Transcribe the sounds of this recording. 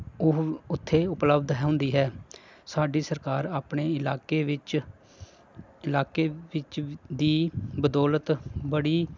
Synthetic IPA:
ʊɦʊt̪ʰːeːʊpləbd̪ɦɛːɦʊ̃nd̪iːɦɛː | saːɖiːsəɾkaːɾaːpɳeːɪlaːkeʋɪt͡ʃ | ɪlaːkeːʋɪt͡ʃd̪iːbəd̪ɔːlət̪bəɽiː

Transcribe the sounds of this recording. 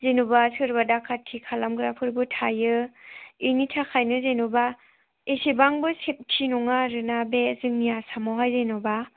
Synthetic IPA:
zenubasɯɾbadakʰatʰikʰalamɡɾapʰɯɾbɯtʰajɯ | initʰakʰajnɯzenuba | esibaŋbɯsep̚tʰinɔŋaɾɯnabezɯŋniasamɔwɦajzenɔba

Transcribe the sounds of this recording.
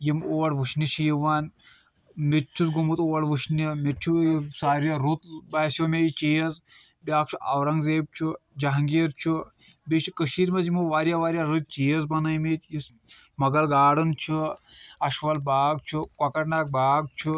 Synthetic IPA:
jimoːɐɽʋuʃniʃʰiːiʋaːn | mit͡ʃʰusɡumut̪oːɐɽʋuʃnʲimit̪̚t͡ʃʰusaːɾjaɾut̪baːsjoːmʲeit͡ʃiːjɐz | bʲjaːk̚t͡ʃʰuʔɐʋɾɐŋɡzeːb̚t͡ʃʰud͡ʒaɦŋɡiːɾt͡ʃʰu | bʲit͡ʃʰikəʃiːɾmɐzjimuʋaːɾʲjaʋaːɾjaːɾɨt͡ʃiːɐzbɐnɐjmit̪jis | mɐɡɐlɡaːɽɨnt͡ʃʰuɐʃʋɐlbaːɡt͡ʃʰukwɐkɐʈnaːk̚baːɡ̚t͡ʃʰu

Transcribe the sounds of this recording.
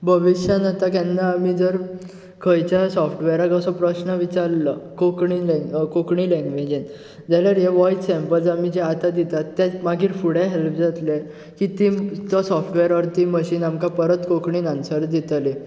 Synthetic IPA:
bʱəʋiɕanat̪akɛnːaːmiːd͡zəɾ | kʰəjt͡ɕjasɔfʈʋeɾaɡəsɔpɾəɕnəʋit͡ɕaɾləkokɳilkokɳiːlɛ̃ŋɡʋed͡ʑen | d͡zaljaɾɦeʋɔjʈsɛ̃mpəlsamid͡ʑeat̪ad̪it̪at̪ːamaɡʱiːɾfuɽjaɦelpd͡zat̪le | kit̪it̪ɔsɔfʈʋeɾɔɾt̪iməɕiːnamkapəɾət̪kokɳiːnansəɾd̪it̪le

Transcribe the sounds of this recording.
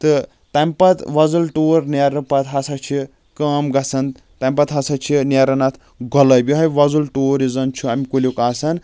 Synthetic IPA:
t̪ɨ | t̪ɐmpɐt̪ʋɐzulʈoːɾneɾɐpɐt̪ɦɐsɐt͡ʃʰi | kaːmɡɐsɐn | t̪ɐmpɐt̪ɦɐsɐt͡ʃʰineɾɐnɐt̪ʰ | ɡʱɔlɐbʲiɦɐjʋɐzulʈoːɾizɐnt͡ʃʰuɐmʲikulʲjokaːsɐn

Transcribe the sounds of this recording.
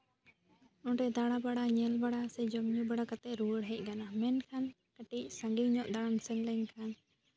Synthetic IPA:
ɔʈɛd̪aɽabaɽaɲɛlbaɽasɛd͡ʒɔmɲubaɽakat̪ɛʔɾuəɽɦɛc̚ˀkanamɛnkʰan | kəʈic̚saŋɡiŋɲɔʔd̪aɽamsəŋləɲkʰan

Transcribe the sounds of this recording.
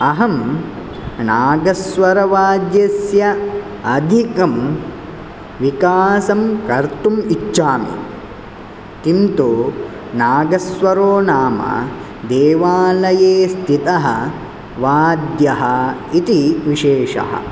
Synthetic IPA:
ɐɦɐm | naːɡɐsʋɐɾɐʋaːd̪jɐsjɐ | ɐd̪ʱikɐm | ʋikaːsɐmkɐɾt̪umit͡ʃːʃaːmḭ | t̪imt̪o | naːɡɐsʋɐɾoːnaːmɐ̰ | d̪eːʋaːlɐjeːst̪ʰit̪ɐɦɐ | ʋaːd̪jɐɦɐit̪iʋiʃeːʃɐ̰ɦɐ̰

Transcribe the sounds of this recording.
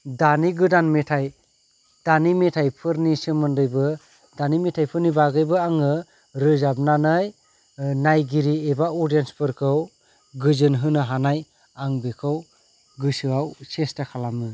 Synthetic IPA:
daniɡɯdanmetʰaj | d̥animetʰajpʰɯɾnisɯmɯndɯjbɯ | danimetʰajpʰɯɾnibaɡɯjbɯaŋɯ | ɾɯzab̚nanɯj | najɡiɾiebaɔdienspʰɯɾkʰɯw | ɡɯzɯnɦɯnɯɦanaj | aŋbekʰɯw | ɡɯsɯawsestakʰalamɯ

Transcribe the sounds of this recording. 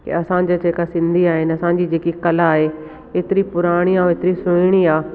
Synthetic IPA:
kḛɐsãd͡ʑad͡ʑeːkasɪ̃nd̪ʱiaːɦɪnɪ̆ɐsãɲd͡ʑiːd͡ʑeːkikɐlaːɦe | eːt̪ɪɾipʊɾaːɽ̃iãːeːt̪ɪɾisʊɪɽ̃iaː

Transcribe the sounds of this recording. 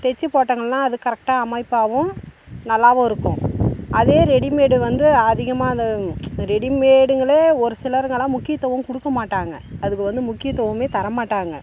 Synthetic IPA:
t̪ɛt͡ʃːɯpoːʈːɐŋɡɐɭnãːɐðɯkɐɾɐk̚ʈaːɐmɐɪpːaːʋʊ̃nɐlːaːʋõɪɾɯkːʊ̃ʔɐðeːɾɛɽimeːɽɯʋɐnd̪ɯɐðɪɣɐmaːɐnd̪ɐɾɛɽimeːɽɯŋɡɐɭeːɔɾɯsɪlɐɾɯŋɡɐlãːmʊkːɪjɐt̪ːɔʋɐmkʊɽɯkːɐmaːʈːaːŋɡɐɐðɯkːɯʋɐnd̪ɯmʊkːɪjɐt̪ːɔʋɐmeːt̪ɐɾɐmaːʈːaːŋɡɐ

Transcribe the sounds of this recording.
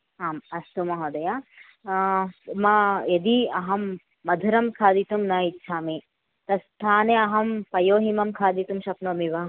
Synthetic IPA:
aːmɐst̪umɐɦod̪ɐja | mɐed̪iɐɦɐmː | ɐd̪ʱuɾɐmkʰaːd̪it̪umnɐːitːʃʰaːmi | t̪ɐst̪ʰaːneɐɦɐmpɐjoːɦimɐmkʰaːd̪it̪umʃɐpnoːmiʋaː

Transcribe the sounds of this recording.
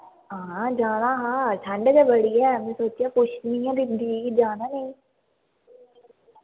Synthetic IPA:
ɦãːd͡ʒaːnaɦãːʈʰəɳɖkabəɽiɦɛːmɛ̃soːt͡ʃiakʊt͡ʃʰniĩɛ̃b̪id̪iːid͡ʒaːnanɐĩ

